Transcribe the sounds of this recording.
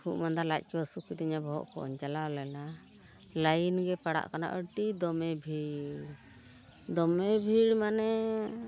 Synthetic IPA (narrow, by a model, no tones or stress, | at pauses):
hʰuʔmand̪aɾlac̚ˀkɛəsukit̪iɲabɔɦɔ̰ʔkɔ̰ʔɔ̰ɲd͡ʒalalɛla | lajinɡɛpaɽa̰ʔkana̰ʔəʈid̪ɔmɛbʱiɾ | d̪ɔmɛbʱiɾmanɛ